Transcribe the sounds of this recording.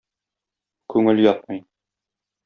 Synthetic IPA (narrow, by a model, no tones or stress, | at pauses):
kʉŋɘljɒt̪̚mɤj